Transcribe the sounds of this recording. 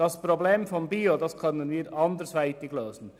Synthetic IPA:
d̥ɑspɾobleːmfɔnbiːodɑskʰœnənviːɾɑndəɾsʋæɪtɪɡ̥løːzn̩

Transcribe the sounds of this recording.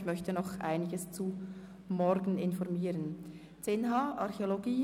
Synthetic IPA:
çmœçtənɔχʔa̰ɪnɪɡəst͡su | mɔɾɡn̩ɪnfɔʁmiːɾən | t͡senɦɑːʔɑʁçeoloɡiː

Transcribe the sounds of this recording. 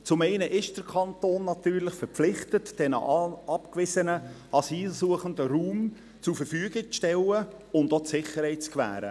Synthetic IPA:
t͡sʊmɛɪnəʔɪʃd̥əɾkʰɑntoːnːɑt̪yːɾlɪχfəɾflɪχtətd̥ɛnə̰ɑpkvɪsənə | ɑsiːlsuəχəndəɾuːm | t͡sufəɾfyːəɡɪk̚t͡sʃtɛlə | ʊndɔtsɪχəɾhɛɪt̚t͡skvæ̰ːɾə̰

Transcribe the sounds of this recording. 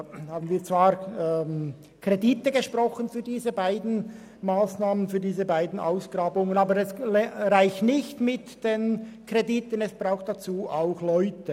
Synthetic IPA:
haːbən̩viːɐt͡sv̥aːɾm | kʰr̥editəɡəʃprɔχənfyːɐdiːzəbaɪdn̩ | maːsnaːmənfyːɐdiːzəbaɪdn̩ʔa̰ʊsɡ̥raːbʊŋənaːbəɾɛsɾaɪçtnɪçtmɪtd̥enkreditənɛsb̥raʊxt̚d̥at͡suːʔaʊxlɔʏtə

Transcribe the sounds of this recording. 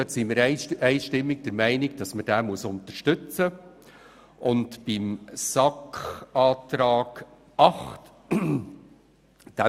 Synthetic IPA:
œtsimɪːɾɛɪʃtɪmːɪɡd̥əɾmæɪnɪɡd̥ɑsməd̥æːmuəsʊntəɾʃtʏt͡sə | ʊntb̥ɪmsɑkχɑːtɾɑːɡ̥ | ʔɑχt | d̥æ

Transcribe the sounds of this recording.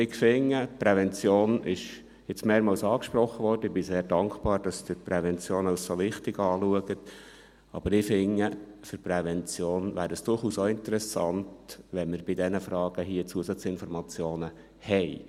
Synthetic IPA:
ɪkfɪŋːəpɾɛvɛnt͡sjoːnɪʃ | jɪt͡smeːɾmɑlsɑːkʃpɾɔχːəʋɔrd̥əɪbɪseːɾd̥ɑŋkχb̥ɑːɾd̥ɑsd̪̥ɪpɾɛʋɛnt͡sjoːnaʊsoʋɪχtɪɡɑːluəɡət | ɑ̰b̥əɾɪfɪŋːəfʏɾpɾɛʋɛnt͡sjoːnʋæ̰ːɾəsd̥ʊrχuːsoɪnt̪əɾɛsɑntʋɛnmɪɾb̥ɪdɛnəfrɑːɡ̥əɦiət͡suəsɑt͡sɪnfɔɾmɑt͡sjoːnə | hɛj

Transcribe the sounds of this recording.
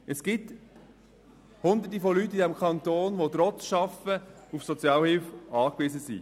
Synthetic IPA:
ɛsɡ̥ɪt | hʊnd̪ət̬ifolytːid̪ɛmkʰɑnt̪oːnʋot̪ɾɔt͡sʃɑfəufsɔt͡sjɑːlhɪlfɑːkvɪzəsḭ

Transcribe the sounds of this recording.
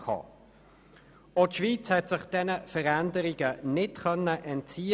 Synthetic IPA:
kʰɑ̰ː | otʃviːt͡shɛtsɪχd̥ɛnəfəʁændəɾiɡənɪtkœnːəʔɛntt͡siː

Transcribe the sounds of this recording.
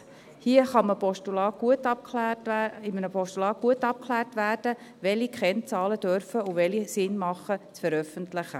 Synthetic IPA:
hiəχɑməpɔʃtulɑːɡ̥uətɑp̚lɪmənəpɔʃtulɑːɡ̥uətɑp̚kʰχlæːrtʋæːrd̥ə | ʋɛlikχɛnt͡sɑːləd̥œɾfəuʋɛlisɪnmɑχːət͡sfəɾœfəntlɪχə

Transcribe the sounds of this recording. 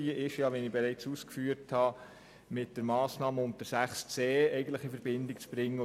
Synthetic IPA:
iəʔɪʃjɑʋɛnɪbɛɾɛɪt͡suːskfyːəɾthɑ | mɪt̚d̥əɾmɑːsnɑːməʊndəɾsæχst͡seːɛɪɡən̩t̪ləχifəɾb̥ɪndɪkt͡sb̥ɾɪŋːə

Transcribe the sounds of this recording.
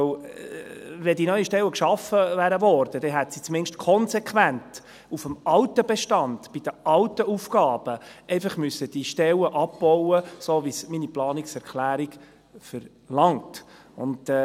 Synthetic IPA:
vɛdinœʏəʃtɛlwəkʃɑfəvæːɾəvɔɾd̥əd̥ɛɦæt̪sit͡smɪnʃtkʰɔnsekʰʋænt | ufəmɑwtəbɛʃtɑndb̥id̥əɑwtəʔufɡ̥ɑːb̥əʔɛɪfɑχmysːəd̥iʃtɛləʔɑbb̥ɔwəsoːvisminiplɑːniksɛɾkʰlæːɾiɡ | fəɾ | lɑŋt | ʊ̰nd

